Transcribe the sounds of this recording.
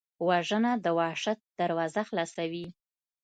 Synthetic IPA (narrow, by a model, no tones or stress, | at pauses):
waʒənad̪əwɑʂat̪̚d̪aɾwɑzaxlɑsawi